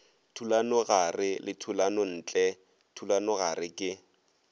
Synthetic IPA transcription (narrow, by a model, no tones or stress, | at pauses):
tʰulanɔɣarɪlɪtʰulanɔn̩ːt͡ɬʼɛ | tʰulanɔɣarɪkʼɪ